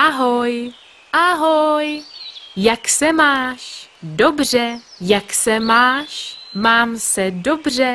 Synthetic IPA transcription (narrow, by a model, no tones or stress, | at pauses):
ʔaɦoj | ʔaɦojjaksɛmaːʃdobr̝ɛjaksɛmaːʃmaːmsɛdo̞br̝ɛ